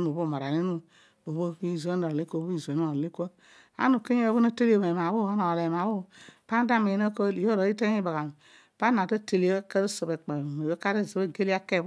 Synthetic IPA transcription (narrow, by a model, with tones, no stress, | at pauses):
nu˨bo˦˨ma˨ɾa˨ni˦nu˦ | o˨βo˦i˦˨ze˦no˨i˦kʷo˦bu˦i˦˨zʷe˨n˦o˨li˦kʷo˦ | a̰˦nu˨ke˦ɲ˦e˦˨˦βo˦na˦te˦li˦o˨me˨m˨a˨bu˦˨a˦no˨le˨m˨a˨βu˦pa˦n˦da˦me˨no˦ko˦i˨jo˦ɾo˨˦i˦te˦ŋi˦ba˨ɡa˨m˨ | pa˦na˨ta˦te˨li˦o˦ka˦ɾo˦so˨be˨k͡pa˨no˨jo˦ka˦ɾe˦˨zi˨be˦˨ɡe˦li˦a˦ke˦˨˦